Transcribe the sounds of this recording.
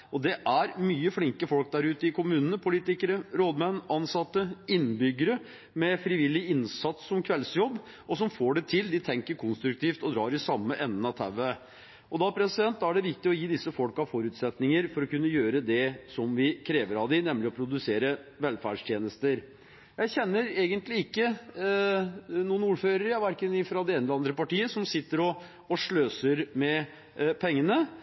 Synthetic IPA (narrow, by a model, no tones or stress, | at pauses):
ɔd̪ɛʔæɾmyːəflɪŋkəfɔlk̚d̪æɾʉːt̪əɪkʰʊmʉːnənəpʰʊliːt̪ɪkəɾəɾoːd̪mɛnːʔɑnsɑt̪ːəɪnbʏɡːəɾə | mɛfɾɪʋɪlːɪɪnsɑt̪sːɔmkʰʋɛlsjɔbː | ɔsɔmfoːɖɛt̪ʰɪld̪ɪt̪ʰɛŋkəɾkʰʊnst̪ɾʉkt̪ʰiːft̪ɔd̪ɾɑːɾɪsɑmːəʔɛnːnəɑt̪ʰæʋə | ɔd̪ɑpʰɾɛsɪd̪ɛnt̪ːæɖɛʋɪkt̪ɪɔjiːd̪ɪsːəfɔlkɑʋfɔɾʉːt̪sɛt̪nɪŋəɾfɔɾɔkʉnːəjøːɾəd̪ɛsɔmʋɪkʰɾeːʋəɾɑʋd̪ɪnɛmːlɪɔpʰɾʊd̪ʉseːɾəʋɛlfæːɖʂt̪ʰjeːnəst̪əɾ | jæɪçɛnːəɾeːɡənt̪lɪɪkːə | nuːənuːɾføːɾəɾɑʋæɾkənɪfɾɑd̪ɛeːnəɑnd̪ɾəpɑʈiːəsɔmsɪt̪ːəɾɔː | ʂɭøːsəɾmɛ | pʰɛŋːənə